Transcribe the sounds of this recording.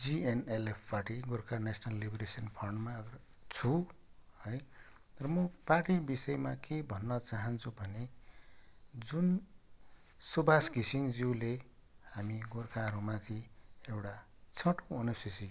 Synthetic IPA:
d͡zienelepʰpʌʈiɡorkʰanesʰnalːibɾesʌnpʰʌrɳɖmaɡ | t͡sʰuhʌj | rʌmʌpaʈibisʌjmakebʱʌnːʌt͡saɦʌnt͡sʰubʱʌne | d͡zun | subʱasɡisiŋd͡ziwle | hamiɡorkʰaɾumãt̪ʰiewʈa | t͡sʰʌʈoʌnusisi

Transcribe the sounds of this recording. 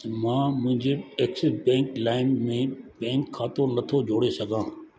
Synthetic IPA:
mãːmʊ̃ɦɪ̃ɲd͡ʑeeːksɪsbɛ̃ːŋklaːɪmːẽbɛ̃ːŋkʰːaːt̪onɐt̪ʰod͡ʑʱoːɽesɐɡʱãː

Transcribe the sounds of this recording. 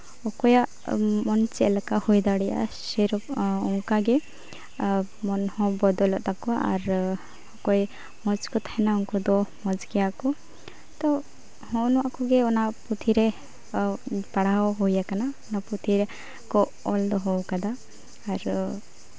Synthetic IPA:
ɔkɔjaʔ | mɔnt͡ʃiɛlakahujd̪aɽɛja̰ | sɛɾɔɔŋkaɡɛ | mɔnhɔ̃bɔd̪ɔlɔʔt̪akɔaa̰ɾ | ɔkɔj | mɔ̃d͡ʒkɔt̪ʰaɛnauŋkɔd̪ɔmɔ̃d͡ʒkɛjakɔ | t̪ɔ | hɔ̃nɔakɔɡɛɔnaput̪ʰiɾɛ | paɽaɦɔɦɔjakanaɔnaput̪ʰiɾɛ | kɔ | ɔld̪ɔɦɔwkad̪aː | ɾ

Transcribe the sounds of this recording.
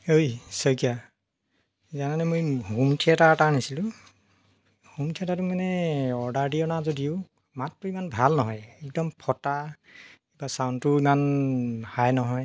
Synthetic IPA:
ojsɔjkija | izananɛmojɦumtʰiɛtatanisilʊ̃ | humtʰiɛtatumanɛɔɹdaɹdiɔnazodiʊ | matːuimanbʱalnɔɦɔjɛk̚dɔmpʰɔta | kibasawntuimanhajnɔɦɔj

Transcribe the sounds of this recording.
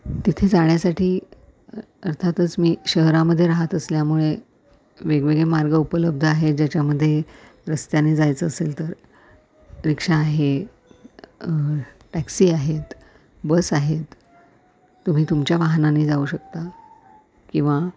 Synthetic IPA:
t̪it̪ʰed͡zaɳjasaʈiː | əɾt̪ʰat̪ət͡smiːɕəɦɾaməd̪ʱːjeɾaɦət̪əsljamuɭe | ʋeɡʋeɡɭemaɾɡəupələb̚d̪ʱəaɦed͡ʑat͡ɕjaməd̪ʱːje | ɾəst̪janːiːd͡zajt͡səːselt̪əɾ | ɾikʂaːɦe | ʈæksiːaɦet̪ | bəsaɦet̪ | um̤iːt̪umt͡ɕjaʋaɦnaniːd͡zauːɕəkt̪a | kĩw̃ʋa

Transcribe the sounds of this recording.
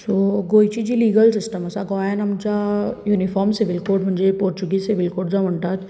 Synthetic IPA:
soɡoːit͡ʃid͡ʒiliːɡəlsɪsʈəmɐsaɡɔːanɐmt͡ʃajuːnifʰɔːɾmsɪʋɪlkoːʈmʱɐnd͡ʒepoːɾt͡ʃuɡisɪʋɪlkoːʈzaʋəɳʈaːd͡ʒ

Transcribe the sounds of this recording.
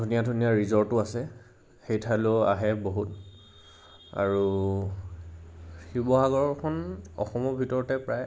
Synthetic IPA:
dʱunijadʱunijaɹizɔɹtʊasɛ | xejtʰalʊa̰ɦɛboɦut | a̰ɹu | xibɔɦaɡɔɹɔkʰɔnɔ̰xɔmɔbʱitɔɹɔtɛpɹaj

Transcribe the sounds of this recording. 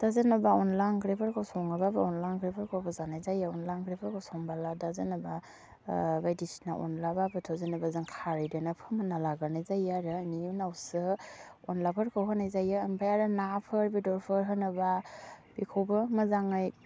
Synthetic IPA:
d̥azɯnabaɔnlaŋɡɾepʰaɾkʰawsɔŋababɯɔnlaŋɡɾepʰaɾkʰowbazanajzajaɔnlaŋɡɾepʰəɾkʰawsɔŋbaladazɯnaba | bajdisnaʔɔ̰nlababɯtʰɔzɯnabazɯŋkʰaɾɯjdenapʰɯmɯnalaɡaɾnajzajaɾɯniunawsɯɔnlapʰɯɾkʰɯwɦɯnajzajaːnpʰajaɾɯnapʰɯɾbidɔɾpʰɯɾɦɯnɯbab̥ikʰowbɯmɯzaŋaj

